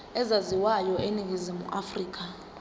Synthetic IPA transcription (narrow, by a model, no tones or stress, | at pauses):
ɛzaziwajɔʔenik̬izimṵʔafriːk̬a